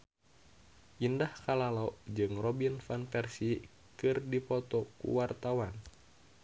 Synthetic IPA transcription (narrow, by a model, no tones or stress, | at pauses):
ʔindahkalalod͡ʒɨŋrɔbinfanpɛrsi | kɨrdipɔt̪ɔkṵwart̪awan